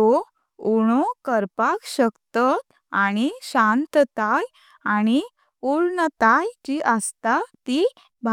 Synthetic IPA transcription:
o | uɽ̃okəɾpakɕəkt̪at̪ | aɽ̃iɕãnt̪t̪aj | aɽ̃i | uɽnət̪ajd͡ʑiʔəst̪at̪i | bʱa

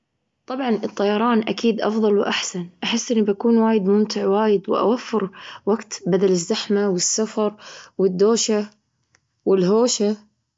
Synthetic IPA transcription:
t̪ˤɑbʕɑnʔɨt̪ˤːɑjɑɾˤɑːnʔakiːd̪ʔɑfðˤɑlwʔaħsanʔaħɪsːʔɪnːibakuːnwaːjɪd̪mʊmt̪ɪʕwaːjɪd̪wɪ̰ʔa̰wafːɪɾwaɡt̪bad̪alɪzːaħmawɪsːafɑɾˤwɪd̪ːoːʃa | wɪlɦoːʃa

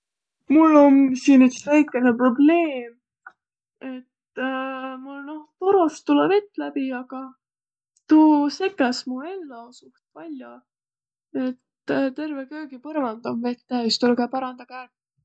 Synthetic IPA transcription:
mulːo̞nsiːnyksvæjkːˑenepro̞ble̞ːm | e̞t̪ | mulno̞ht̪oɾost̪ːulːeve̞t̪ːˑlæbiɑɡ̥ɑ | t̪uːse̞kːˑɑsmue̞lːɑosuht̪vælʲjo | e̞t̪t̪e̞rvekø̞ːɡipɤɾvɑnd̪̥ɑmve̞t̪ːæist̪ulkæpɑɾɑnd̪ɑkæːrp

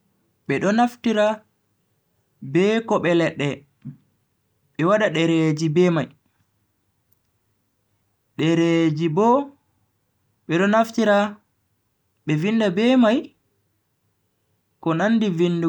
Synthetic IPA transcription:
ɓɛɗɔnaftiɾa | bɛkɔɓɛlɛɗːɛ | ɓɛwaɗaɗɛɾed͡ʒibɛmaj | ɗɛɾed͡ʒibɔ | ɓɛɗɔnaftiɾa | ɓɛvinːdabɛmaj | kɔnandivindu

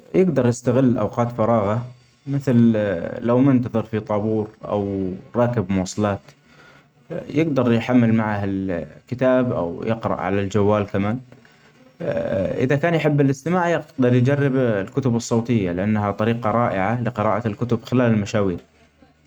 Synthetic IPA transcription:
jɪɡd̪ɑɾˤjɪst̪aɣɪlːʔa̰wqɑːt̪fɑɾˤɑːɣa | mɪθllawmɪnt̪ɑðˤɨɾfit̪ˤɑbuːɾʔa̰wɾˤɑːkɪbmʊwɑːsˤɑlɑːt̪ | jɪɡd̪ɑɾˤjħamːɪlmaʕahɪlkɪt̪aːbʔa̰wjɪqɾɑ̰ʔʕa̰lald͡ʒawːaːlkamaːn | ʔɪ̰ðakaːnjħɪbːɪlʔɪst̪ɪmaːʕjɪqd̪ɑɾˤjd͡ʒarːɪblkʊt̪ʊbɨsˤːɑːt̪ˤɪjːalɪʔanːhat̪ˤɑɾiːqɑɾˤɑːʔɪʕalɪqɨɾɑ̰ːʔalkʊt̪ʊbxɪlaːlɪlmaʃaːwiːɾ

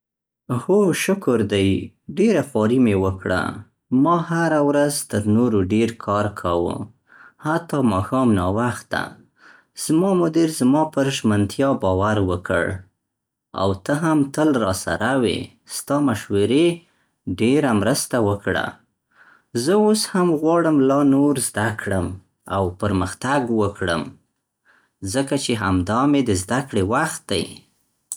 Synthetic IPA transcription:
hoʃʊkʊɾd̪aj | ɖeɾafɑɾimewəkɽa̰ | mɑhaɾawɾazt̪əɾnoɾoɖeɾkʰɑɾkʰawṵ | hat̪ɑmɑxɑmnɑwaxt̪̚d̪a̰ | z̥mɑmʊd̪iɾzmɑpəɾʒmant̪jɑbɑwaɾwəkʰə̰ɽ | a̰wt̪əɦamt̪əlɾɑsa̰ɾawḛ | st̪ɑmaʃwəɾe | ɖeɾamɾəst̪awəkɽa̰ | zəoshamɣwɑɽəmlɑnoɾzd̪akʰɽəm | a̰wpəɾməxt̪aɡwəkɽə̰m | zəkat͡ʃeɦamd̪ɑmed̪əzd̪akɽewaxt̪̚d̪a̰j

